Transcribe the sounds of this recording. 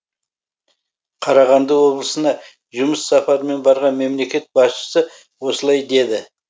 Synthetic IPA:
qʰɑɾɑʁɑnd̪əwo̞blˠəsənɑ | ʒʊməsːɑpɑɾme̞nbɑɾʁɑnme̞mle̞kʲe̞t̪̚bɑsʃə̥sə | wo̞səlˠɑjd̪e̞d̪ɪ

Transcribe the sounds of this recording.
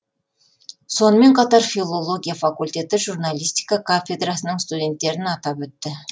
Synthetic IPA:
so̞nəme̞ɴqʰɑt̪ɑɾfilˠo̞lˠo̞ɡʲijafakulʲt̪e̞t̪ɪʒurnalˠijst̪ijkɑkʰafʲe̞d̪rasənəɴst̪ud̪ʲe̞nt̪ːe̞ɾɪnɑt̪ɑpɵt̪ːɪ

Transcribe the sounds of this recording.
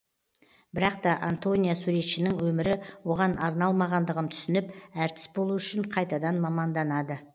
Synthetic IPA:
bɪɾɑq̚t̪ɑʔant̪o̞nʲijasuɾet̪ʃɪnɪŋwɵmɪɾɪwo̞ʁɑnʔɑɾnɑlˠmɑʁɑnd̪əʁənt̪ʰʏ̥sɪnɪpæɾt̪ɪ̥sbolˠuʏʃɪɴqʰɑjt̪ɑd̪ɑnmɑmɑnd̪ɑnɑd̪ə

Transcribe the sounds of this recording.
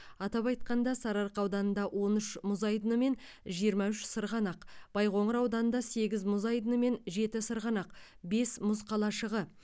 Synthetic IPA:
ɑt̪ɑpɑjt̪̚qɑnd̪ɑsɑɾɑɾqɑwd̪ɑnənd̪ɑwo̞nʏʃmʊzɑjd̪ənəme̞nʒijəɾmɑʏʃsəɾʁɑnɑqb̥ɑjqo̞ɴəɾɑwd̪ɑnənd̪ɑse̞ɡʲɪzmʊzɑjd̪ənəme̞nʒe̞t̪ɪsəɾʁɑnɑq | be̞smʊzqʰɑlˠɑʃəʁə

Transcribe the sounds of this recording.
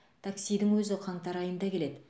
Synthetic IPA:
t̪ʰaksijd̪ɪŋwɵzɪqʰɑɴt̪ɑɾɑjənd̪ɑkʲʰe̞le̞d̪ɪ

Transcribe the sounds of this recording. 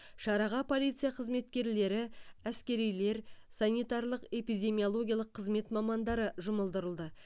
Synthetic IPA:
ʃɑɾɑʁɑpʰo̞lʲijt̪sɨjaqʰəzme̞t̪kʲe̞ɾle̞ɾɪæskʲe̞ɾijle̞ɾ | sɑnʲijt̪ɑɾlˠəqe̞pijd̪ʲe̞mʲijolˠo̞ɡʲijaɑlˠəqʰːəzme̞t̪mɑmɑnd̪ɑɾəʒʊməlˠd̪əɾəlˠd̪ə

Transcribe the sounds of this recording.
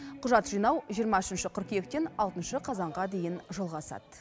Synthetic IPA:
qʰʊʒɑt̪ʒ̥ijnɑwʒijəɾmɑʏʃɪnʃɪqʰʊɾqe̞kt̪e̞nɑlˠt̪ənʃəqʰɑzɑɴʁɑd̪e̞jɪnʒolˠʁɑsɑ̰d̪̥

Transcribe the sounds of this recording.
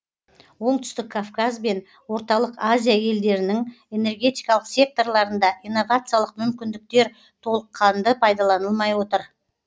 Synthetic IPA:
wo̞ɴt̪ʏ̥st̪ɪkʰːafkazbe̞n | wo̞ɾt̪ɑlˠəqazʲijaje̞ld̪e̞ɾɪnɪŋ | e̞ne̞rɡʲe̞t̪ijkɑlˠəqsʲe̞k̚t̪o̞rlˠɑɾənd̪ɑʔijnːo̞vat̪sɨjalˠəqmʏmkʲɪnd̪ɪk̚t̪e̞ɾ | t̪ʰo̞lˠəqʰːɑnd̪əpʰɑjd̪ɑlˠɑnəlˠmɑjwo̞t̪əɾ

